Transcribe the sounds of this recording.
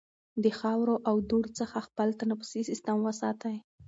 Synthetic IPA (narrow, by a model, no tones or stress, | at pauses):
d̪əxɑwɾoʔawd̪uɾt͡səxaxpəlt̪anapə̥sisɪst̪əmwəsɑt̪aj